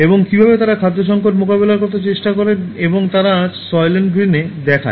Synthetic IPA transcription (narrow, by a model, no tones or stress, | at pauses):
eboŋkibʱabet̪aɾakʰad̪ʱːoʃ̬ɔŋkoʈ̬mokabelaɾkoɾt̪̬et͡ɕeʃʈakoɾeneboŋt̪aɾasɔjlenɡɾined̪ɛkʰa̰